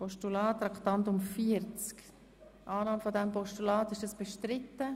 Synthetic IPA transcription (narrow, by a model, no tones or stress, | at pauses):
pɔʃtulɑːtːɾɑktɑntʊmfiəɾt͡sk | ʔɑːnɑːmfodɛmpɔʃtulɑːtɪʃd̥ɑsb̥ɛʃtɾɪtːə